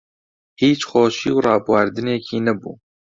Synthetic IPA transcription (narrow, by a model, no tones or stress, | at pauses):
hiːt͡ʃxoːʃiːwrɑːbwɑɾd̪ɨneːkʰiːnɛbṵː